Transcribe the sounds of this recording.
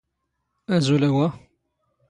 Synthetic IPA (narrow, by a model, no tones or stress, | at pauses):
æzulæwæ